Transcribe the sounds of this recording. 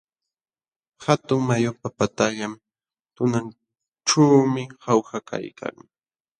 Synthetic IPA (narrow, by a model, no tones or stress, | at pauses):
xat̪ʊŋmajopapat̪aʎam | t̪ʊnan | ʈ͡ʂaːmɪhawxakʰa̰jkʰa̰ŋ